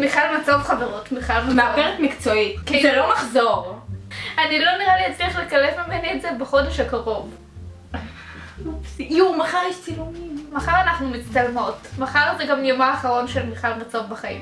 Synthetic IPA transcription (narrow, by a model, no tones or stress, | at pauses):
miχalmat͡sovχaveʁotmiχalmameapeʁetmikt͡soitkilomaχzoʁ | anilo̞niʁalihat͡sliaχlekalevmimenietzebeχo̞deʃhakaʁo̞v | jumaχaʁjeʃt͡silumimːaχaʁanaχnumitt͡stalmo̞tmaχaʁozeɡamjomaːχaʁo̞nʃelmiχalmat͡sovbaχaḭm